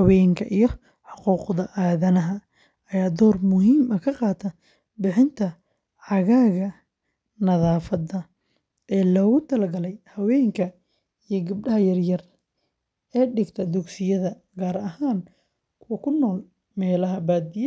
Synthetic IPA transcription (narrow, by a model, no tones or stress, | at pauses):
ɐwɛːŋkʰɐʔijɞ | ħɑquːqðɐʔaːðɐnɐɦɐ | ɐjaːd̪ɔːrmʊɦiːmɐkʰɐqɑːt̪ʰɐ | bɪħɪnt̪ʰɐ | ʕɑɣaːɣɐ | nɐðaːfɐd̪ɐ | ʔɛːlɔːɣʊt̪ʰɐlɐɡɐlɛjhɐwɛːŋkʰɐ | ijɞɡɐb̚ɖɐɦɐjɐrjɐr | ɛːɖɪɡt̪ʰɐd̪ʊɡsɪjɐðɐ | ɡaːɾɐɦaːn | kʰʊwɐkʰʊnːɔːl | mɛːlɐɦɐbaːd̪ɪj